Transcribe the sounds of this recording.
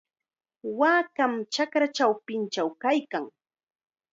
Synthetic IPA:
waːkamt͡ʃakɾat͡ʃawpɪnt͡ʃawkajkaŋ

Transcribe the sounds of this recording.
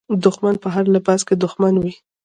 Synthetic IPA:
d̪ʊxmanpəɦaɾlabazked̪ʊxmanwi

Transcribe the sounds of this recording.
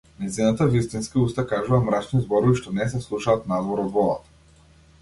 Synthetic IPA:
najzinat̪avist̪inskiust̪akaʒuvamɾat͡ʃnizbɔɾɔviʃt̪ɔnɛs̬ɛslˠuʃaːt̪nad̪vɔɾɔd̪vɔd̪a̰t̪

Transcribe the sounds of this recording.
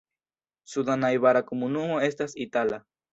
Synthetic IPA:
suðanajβaɾakumunuoest̪asit̪ala

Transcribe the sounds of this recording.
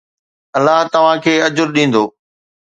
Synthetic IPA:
ɐlːaɦt̪ɐʋ̤ãkʰeːɐd͡ʑʊɾɗĩːn̆d̪oː

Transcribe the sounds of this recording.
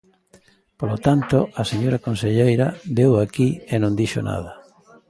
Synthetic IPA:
polot̪ant̪oaseɲoɾakonseʎejɾɐbewakienõnd̪iʃo̰na̰ðɐ

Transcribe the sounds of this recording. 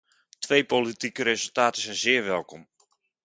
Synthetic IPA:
tʰʋejpolitikəɾezɵlˠtaːtəsɛjnzɪːərʋɛlˠkɔm

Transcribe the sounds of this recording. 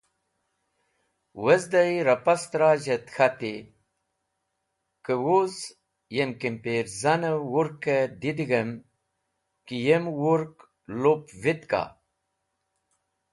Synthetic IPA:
wəzd̪ajɾapast̪ɾaːʑet̪xat̪i | kəwoz | jemkimpeɾzanəwuɾkəd̪id̪iɡəm | kijemwuɾk | lopvit̪ka̰

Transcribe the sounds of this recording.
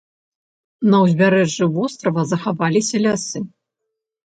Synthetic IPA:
nɐwzʲbʲaɾɛʐːɨvɔst̪ɾɐvɐzɐxavalʲisʲɐlʲasɨ

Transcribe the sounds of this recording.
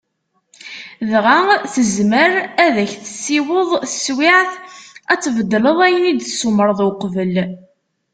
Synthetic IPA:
ðʁaθəzməɾæðæçθə̥sːiwəðˤswɪʕθæt͡sːvəd̪ːləðˤæjənid̪suməɾˤðˤʊqvəl

